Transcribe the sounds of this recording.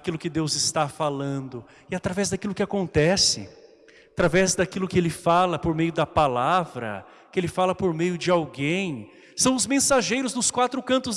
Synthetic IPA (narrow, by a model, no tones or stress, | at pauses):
kilʊkɪd̪ewzɪst̪afalɐ̃nd̪ʊ | ɪat̪ɾavɛzd̪ɐkilʊkɪakõnt̪ɛsɪ̰ | at̪ɾavɛzd̪akilʊkɪelɪfalɐpoɾmejʊd̪ɐpalavɾɐ̰ | kɪelɪfalɐpoɾmejʊd͡ʒɪawɡẽj̃ | sɐ̃w̃ʊzmẽsaʒejɾʊznʊskwat̪ɾʊkɐ̃nt̪ʊz